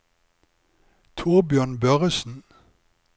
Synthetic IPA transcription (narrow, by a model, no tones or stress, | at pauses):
t̪ʰuːʁbjøːnbœʁəsn̩